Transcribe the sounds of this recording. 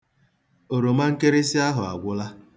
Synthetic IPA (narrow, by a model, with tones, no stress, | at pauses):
o˨ɾo˨ma˦ŋ̩˦ke˦ɾe˦si˦a˦ɦʊ˨a̰˨ɡʷʊ˦la˦